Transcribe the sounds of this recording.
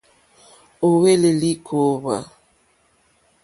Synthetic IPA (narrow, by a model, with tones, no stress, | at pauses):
o˨we˦le˨li˦kʰo˦βa̰˨